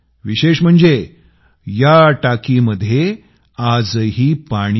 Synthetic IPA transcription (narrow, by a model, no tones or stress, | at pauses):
ʋiɕeɕm̤əɳd͡ze | jaʈakiməd̪ʱːje | ad͡zɦiːpaɽ̃i